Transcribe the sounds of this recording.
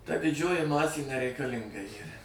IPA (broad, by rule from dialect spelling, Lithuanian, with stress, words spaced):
tɐ dʲɪˈd͡ʒʲoːjɪ ˈmɑːsʲeː nʲɛrʲɛɪkɐˈlʲɪŋɡɐ ˈiːrɐ